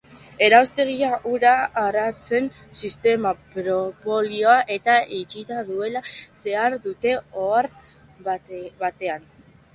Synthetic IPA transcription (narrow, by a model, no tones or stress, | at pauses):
e̞ɾawst̪e̞ɣ̞iaʔuɾaːɾat͡se̞n | sist̪e̞mapɾopo̞lio̞aʔe̞t̪aʔit͡ʃit̪aðue̞lase̞aɾðut̪e̞oaɾ | βat̪e̞an